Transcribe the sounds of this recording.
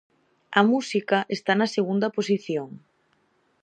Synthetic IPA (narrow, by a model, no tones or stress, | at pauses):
ɐmusikɐʔest̪anɐseɣund̪ɐposiθjoŋ